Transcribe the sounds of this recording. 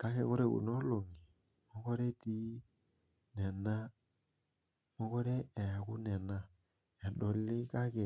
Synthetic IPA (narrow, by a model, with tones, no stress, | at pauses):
ka˦kɛ˨ko˦ɾɛ˦kṵ˨nɔ˦lo˨ŋi˨ | mɔ˦kɔ˦ɾɛ˦ti˦ | nɛ˨na˦ | mɔ˦kɔ˦ɾɛ˦ɛ˨a˨ku˦nɛ˨na˦ | ɛ˨ɗɔ˨li˦ka˦kɛ˨